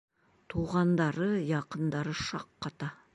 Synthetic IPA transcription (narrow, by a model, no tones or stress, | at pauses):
t̪ʰuʁɑnd̪ɑɾəjɑqənd̪ɑɾəʃɑqːɑt̪ɑ